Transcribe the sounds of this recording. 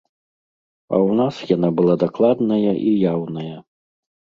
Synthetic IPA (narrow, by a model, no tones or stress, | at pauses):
ɐ̰wnasjanabɨlˠad̪aklˠad̪nɐjɐʔijawnɐjɐ